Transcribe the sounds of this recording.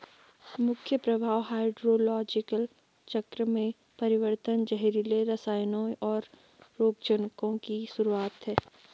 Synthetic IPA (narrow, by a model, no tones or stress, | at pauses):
mʊkʰjəpɾɐbʱaːwɦaːɪɖɾoːlɔːd͡ʒɪkəl | t͡ʃɐkɾəmẽ | pɐɾɪʋəɾt̪ənd͡ʒɐɦɾileɾɐsaːjnõʔɔːɾː | oːɡ̚d͡ʒənkõkisʊɾuaːt̪ɦɛː